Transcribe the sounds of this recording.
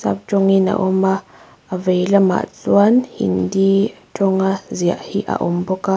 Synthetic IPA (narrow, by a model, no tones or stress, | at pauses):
sa̰b̚t͡ʃoŋina̰ʔomaː | vejlama̰t͡suanhḭndit͡ʃoŋazija̰ʔhiʔa̰ʔomboka